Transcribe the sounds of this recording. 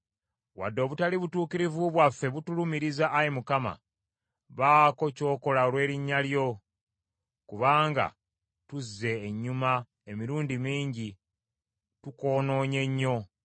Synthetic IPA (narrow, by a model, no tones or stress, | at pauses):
wa̰dːo̞ːβutaliβutuːkiɾivuβwafːe̞βutulumiɾizaʔːjimukama̰ | βaːko̞co̞ːko̞laolwe̞ːɾiɲːaljo̞ | kuβaːŋɡa̰ | tuzːe̞ːɲːuma | emiɾuːndimiːɲɟi | tuko̞ːno̞ːɲe̞ɲːo̞